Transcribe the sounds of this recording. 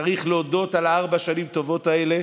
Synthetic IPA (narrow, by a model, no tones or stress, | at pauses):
aʁiχleodo̞talaaʁbaʃanimt̪o̞vo̞t̪ae̞le̞